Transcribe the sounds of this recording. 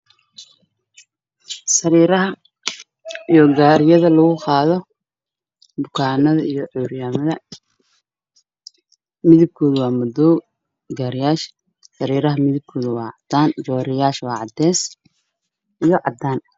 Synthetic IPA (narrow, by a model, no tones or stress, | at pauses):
sɐɾiːɾɐɦɐ | ijɔɡaːɾɪjɐðɐlɐɣʊqɑːðɔ | bʊkʰaːnɐðɐijɔʕɔːɾjaːmɐðɐ | mɪðɪb̚kʰɔːðʊwɑːmɔd̪ɔw | ɡaːɾɪjaːʃ | sɐɾiːɾɐɦɐmɪðɪb̚kʰɔːðʊwɑ̰ːʕɑd̪̥aːnd͡ʒɔːɾɪjaːʃwɑːʕɑd̪ɛːs | ʔijɔʕɑd̪aːn